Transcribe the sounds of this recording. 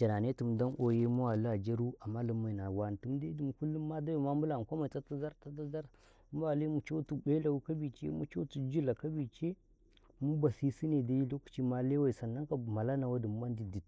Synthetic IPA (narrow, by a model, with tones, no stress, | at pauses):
d͡ʒa˨na˨ne˦tu˨mda˦nʔo˨je˦mu˦wa˨li˦a˨d͡ʒa˦ɾu˦a˨mːa˦lu˦mːa˨na˨wa˨n˨tu˨˦mda˦du˨m˨ku˦lːu˦mːa˦da˦a˨ma˦m˦bu˦la˨n˨ko˦ma˨i˨ta˦ta˦za˦ɾta˦ta˦za˦ɾ | mu˦a˨le˦mu˨t͡ʃo˦tu˦˨be˦la˨wu˦ka˦bi˨t͡ʃḛ˦mṵ˦t͡ʃo˦tu˦d͡ʒu˦la˨ka˦bi˨t͡ʃe˦ | mu˦ba˨si˦si˦ne˨da˦ji˦lo˦ku̥˨t͡ʃi˦ma˦le˦wa˦˨i˨sa˨nːa˦ŋ˦ka˨ma˨la˦na˨wa˦du˨m˨˦ba˦n˦di˨di˨t